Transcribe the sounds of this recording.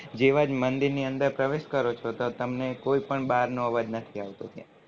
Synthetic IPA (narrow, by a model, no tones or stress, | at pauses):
d͡ʒeʋad͡ʒmənd̪iɾniənd̪əɾpɾəʋeʃkəɾot͡ʃʰot̪ot̪əmnekoipəɳbaɾnõəʋad͡ʒnət̪ʰiaʋt̪ot̪ija̰